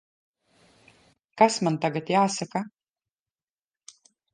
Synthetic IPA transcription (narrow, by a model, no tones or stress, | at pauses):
kasmant̪aɡat̪jaːsaka